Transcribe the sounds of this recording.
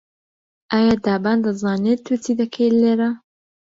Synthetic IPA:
ʔaːjaːd̪aːbaːnd̪ɐzaːnet̪ʰːut̪id̪ɐkʰejleːɾa

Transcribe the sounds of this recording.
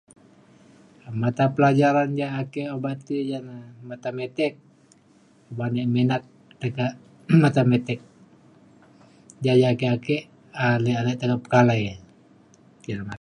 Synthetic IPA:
mat̪apəlad͡ʒaɾand͡ʒaːkɛʔobat̪id͡ʒanamat̪amɛt̪ɛk̚ | obanɛmɛnat̪̚ | t̪əkaʔ | mat̪amɛt̪ɛk̚ | d͡ʒad͡ʒaːkɛʔakɛʔ | alɛalɛʔt̪əkap̚kalaj | kiɾama

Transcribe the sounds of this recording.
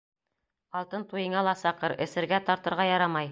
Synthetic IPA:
ɑlˠt̪ɤnt̪ujɤ̆ɴɑlˠɑsɑqɤɾɘ̆sɘ̆ɾɡæt̪ɑɾt̪ɤ̆ɾʁɑjɑɾɑmɑj

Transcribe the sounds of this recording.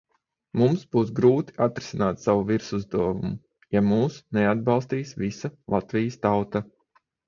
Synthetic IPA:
mumsbuːsɡɾuːt̪i̥ʔat̪ɾɪ̥sinaːt̪saʋuviɾsuzd̪uɔvumu | jamuːsnɛad̪̚bɑlˠst̪iːsvisalˠʔat̪vʲijəst̪awt̪a

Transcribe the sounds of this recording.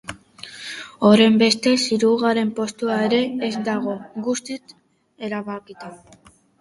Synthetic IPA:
o̞ɾe̞mbe̞st̪e̞siɾuɣaɾe̞mpo̞st̪uae̞ɾe̞ːzd̪aɣo̞ɡust̪it͡s | e̞ɾaβakit̪e

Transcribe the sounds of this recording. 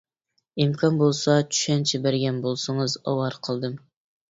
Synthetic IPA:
imkʰɑnbolˠsɑt͡ʃʰy̥ʃɛnt͡ʃʰibæɾɡʲɛnbolˠsɨŋɨzɑ̰wɑɾqʰəlˠd̪ɨm

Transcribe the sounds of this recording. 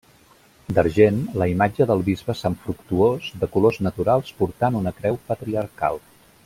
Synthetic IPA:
d̪əɾʒenləimad͡ʒəðəlˠβizβəsəɱfɾukt̪uozd̪əkuloznət̪uɾalˠspuɾt̪anunəkɾɛwpət̪ɾiəɾka̰lˠ

